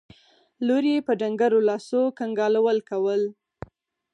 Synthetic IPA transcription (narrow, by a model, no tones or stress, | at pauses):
loɾijepəɖaŋɡaɾolɑsokaŋɡɑlawəlkawəl